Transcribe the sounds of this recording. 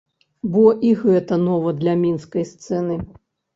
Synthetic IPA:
bɔʔiɣɛt̪ɐnɔvɐd̪lʲɐmʲinskɐjst̪sɛnɨ

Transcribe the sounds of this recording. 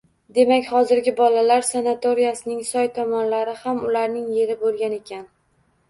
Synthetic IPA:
d̪e̞makʲhɒzɪɾɡʲɪbɒlalaɾsanat̪o̞ɾijasɪnɪŋsɒjt̪ʰɒmɒnlaɾɪhamʊlaɾnɪŋje̞ɾɪbolˠɡʲane̞kʲʰan

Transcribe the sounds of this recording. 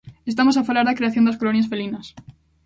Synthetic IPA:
est̪amo̞s̬afalaɾðakɾeaθjond̪askolonjasfelinas

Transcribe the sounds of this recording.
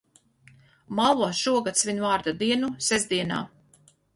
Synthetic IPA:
malˠɔʃuɔɡat̪sviɲʲvaːɾd̪ad̪iɛnusɛzd̪iɛna̰ː

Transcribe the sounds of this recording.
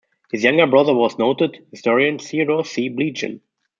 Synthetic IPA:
hɨzjãŋɡə˞bɹʌðə˞wɔznoʊtədhɪstɔɹiɨ̃nsiɹosiblid͡ʒɪ̰̃n

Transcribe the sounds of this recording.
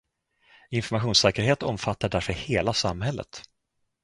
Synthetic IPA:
ɪnfɔɾmaɧuːnsɛːkəɾheːt̪ɔmfat̪ːaɖæɾfœheːlasamːhɛlːə̰t̪

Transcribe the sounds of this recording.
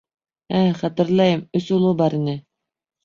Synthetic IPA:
æχɑt̪ɘ̆ɾlˠɑjɤmɵsulˠubɑɾinɘ

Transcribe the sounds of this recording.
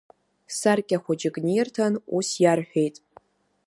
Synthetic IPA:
sarkʲʼaχʷʊd͡ʒɪɡnijrtʰanusjarħʷᶣejtʼ

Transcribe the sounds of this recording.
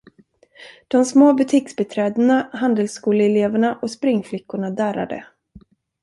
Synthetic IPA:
d̪̥ɔmsmoːbɵt̪ʰɪksbɛt̪ʰɾɛːd̪ənahand̪əlskuːləɛleːvəɳaʔɔspɾɪŋːflɪkːʊɳad̪æːɾa̰d̪ə̰

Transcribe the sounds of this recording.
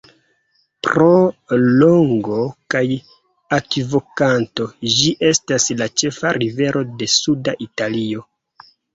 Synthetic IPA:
pɾo̞lo̞ŋɡo̞kaj | akvo̞kanto̞d͡ʒiʔe̞staslat͡ʃe̞faɾive̞ɾʔo̞de̞sudaʔitalio̞

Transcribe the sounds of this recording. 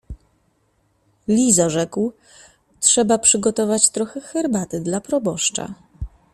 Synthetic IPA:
lʲizaʐɛkw | tʂɛbapʂɘɡɔt̪ɔvat͡ɕt̪ɾɔxɛxɛɾbat̪ɘd̪lapɾɔbɔʂt͡ʂa̰

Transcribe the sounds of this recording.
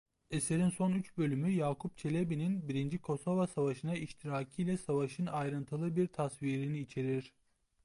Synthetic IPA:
e̞se̞ɾinso̞nyt͡ʃbø̞lʲymyjaːkʰup̚t͡ʃʰe̞lʲebininbiɾind͡ʒikʰo̞so̞vasavaʃɯnaiʃt̪ʰiɾaːcʰɯjlʲɛsavaʃɯnajɾɯnt̪ʰɯlˠɯbiɾt̪ʰasviːɾiniːt͡ʃʰe̞ɾiɾ̥

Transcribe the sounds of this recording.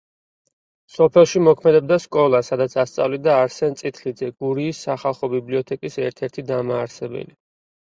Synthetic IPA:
sɔpʰɛlˠʃimɔkʰmɛd̪ɛb̚d̪askʼɔlˠasad̪at̪sʰast̪sʼa̰vlid̪aːɾsɛnt̪sʼit̪ʰχid̪zɛɡ̥uɾiːsːaχalˠχɔbibliɔt̪ʰɛkʼisɛɾt̪ʰɛɾt̪ʰid̪amaːɾsɛbɛ̰li

